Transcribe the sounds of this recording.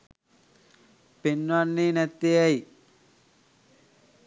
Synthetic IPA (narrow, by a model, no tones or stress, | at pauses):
penːʋanːeːnɛt̪ːejɛj